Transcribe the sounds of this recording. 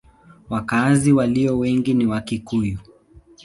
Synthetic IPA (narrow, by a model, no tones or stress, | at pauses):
wakaziwaliɔwɛŋɡiniwakikuju